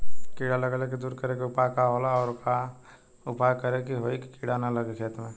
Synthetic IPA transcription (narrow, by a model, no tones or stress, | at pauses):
kiɽaləɡəleked̪uːɾkəɾekiʊpakaɦoːlaɔːɾka | ʊpajkəɾekiɦoːiki̥kiɽanaləɡekʰeːt̪mẽ